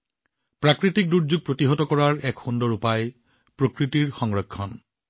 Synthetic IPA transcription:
pɹakɹitik̚duɹd͡ʑuɡ̚pɹotiɦɔtɔkɔɹaɹɛkxundɔɹupaj | pɹokɹitiɹxɔŋɹɔkʰːɔn

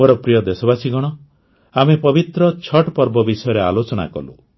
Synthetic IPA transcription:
oɾɔpɾijɔd̪esɔbasiɡɔɽ̃ɔ | amepɔbit̪ɾɔt͡ʃʰɔʈpɔɾbɔbisɔjɔɾea̰lot͡ʃɔɽ̃a̰kɔ̰lṵ

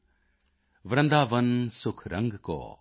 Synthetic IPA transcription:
ʋɾɐnd̪aʋənsukʰɾɐ̰ŋɡkɔ̰

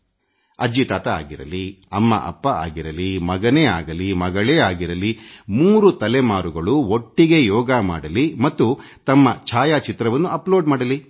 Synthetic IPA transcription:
ɐd͡ʒit̪aːt̪ɐa̰ːɡiɾɐ̰liɐmːɐ̰ʔɐ̰pːɐa̰ːɡiɾɐlimɐɡɐneːaːɡɐlimɐɡɐɭeːaːɡiɾɐlimuːɾut̪ɐlɛmaːɾuɡɐɭuo̞ʈːiɡe̞jɔːɡɐma̰ːɽɐlimɐt̪ːu | t̪ɐmːɐt͡ʃʰaːjaːt͡ʃit̪ɾɐʋɐnːuɐploːɖmaːɽɐli

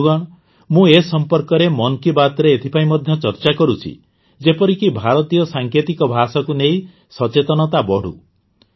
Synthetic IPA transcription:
ɡɔɽ̃ | mũesɔmpɔɾkɔɾemɔnɔkibat̪ɔɾeːt̪ʰipaĩmɔd̪ʱjɔt͡ʃɔɾt͡ʃakɔɾut͡ʃʰḭ | d͡ʒepɔɾikibʱaɾɔt̪ijɔsaŋkʰet̪ikɔbʱasɔkunei | sɔt͡ʃet̪ɔnɔt̪abɔɽ̤ṵ

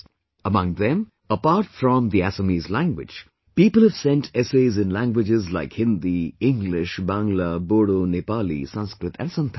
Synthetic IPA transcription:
əmʌ̃ŋðɛ̃m | əpaːɾʈfɾɔ̃mðiæsəmizlæ̃ŋɡwɪ̰̥d͡ʒ̥ | piːpəl̩ˠhəv̥sɛ̃ntʰɛseɪzɨ̃nlæ̃ŋɡwɪd͡ʒɪzlaɪkhɪ̃nd̪iɪ̃ŋɡlɪʃbãŋləboːɽonepaːlḭsʌ̃nskɾɨt̪æ̰̃nsʌ̃nt̪ʰ

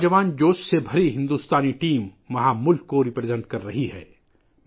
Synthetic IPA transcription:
d͡ʒɐʋaːnd͡ʒoːʃsebʱɐɾiɦɪ̃nd̪uːst̪aːniʈiːmːɐɦãmʊlkːoɾɪpɾezɛ̃ɳʈ̚kɐɾːɐɦihɛ̰ː

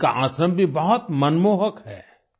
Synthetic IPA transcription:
ka̰ʔãːsəmbʱibɐɦʊt̪mɐnmoːɦəkɦɛː

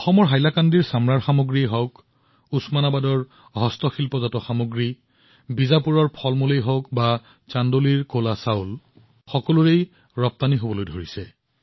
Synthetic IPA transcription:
ɔxɔmɔɹɦajlakandiɹsamɹaɹxamoɡɹiɦɔwk | usmanabadɔɹ | ɦɔstɔxilpɔzatɔxamoɡɹi | bizapuɹɔɹpʰɔlmulejɦɔkba | t͡ʃandoliɹkolasawl | xɔkɔluɹej | ɹɔp̚t̪aniɦobɔlojdʱoɹisɛ

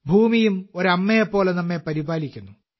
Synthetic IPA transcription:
bʱuːmijumoɾɐmːejɐpːo̞ːɭenɐmːepɐɾibaːlikʲːunːu

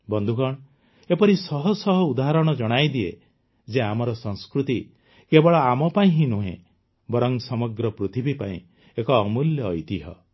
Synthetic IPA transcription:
bɔnd̪ʱukɔɳ̃ | epɔɾisɔɦɔsɔɦɔud̪aɦaɾɔɽ̃ɔd͡ʒɔɽ̃ajd̪iḛ | d͡ʒeamɔɾɔsɔ̃ŋskɾut̪i | kebɔɭɔamɔpaĩɦĩnuɦḛ̃ | bɔɾɔŋsɔmɔɡɾɔpɾut̪ʰibʱipaḭ̃ | ekɔːmuljɔːjt̪iɦɔ̰

